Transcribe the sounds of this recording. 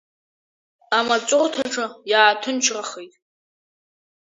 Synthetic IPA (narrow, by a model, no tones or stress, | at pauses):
amat͡sʷʼʊrtʰaʈ͡ʂʰɨjaːtʰɨnt͡ʃʰraχijtʼ